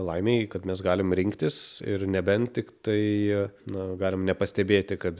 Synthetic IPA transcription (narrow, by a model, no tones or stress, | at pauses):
lˠɐɪmʲeɪkɐt̪mʲɛs̬ɡɑːlʲɪmɾʲɪŋkt̪ʲɪsɪɾnʲɛbʲɛnt̪ʲɪkt̪ɐɪnɐɡɑːlʲɪmnʲɛpɐsʲt̪ʲɛbʲeːt̪ʲɪkɐt̪